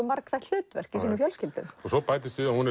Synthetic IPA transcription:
maɾkθɛjht̪ʏːtt̪vɛr̥kisiːnʏfjœlscɪlt̪ʏ̰mɔɣsɔpaːjt̪ɪst̪ʏðahunɛ

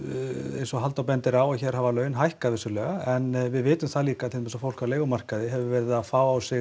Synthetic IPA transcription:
ḛjnsɔɦalt̪awpɛnt̪ɪɾaːwaçɛːɾ̥havalœːɥnɦajhkaðvɪsʏlɛɣaɛnvɪðvɪːt̪ʏmθaðliːkaθemɛs̬ɔfowl̥kʰaleːɣʏmar̥kaðɪɦɛvʏɾvɛɾɪðafaːwawsɪ

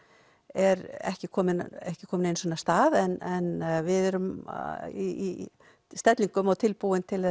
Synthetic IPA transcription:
ɛɾɛ̰hcɪkʰɔːmɪnɛhcɪkʰɔːmɪnejnsɔnast̪aːðɛnɛnvɪðɛɾʏm | i | st̪ɛt̪liŋkʏmɔwt̪ʰɪlpuwɪnt̪ʰɪlðɛ

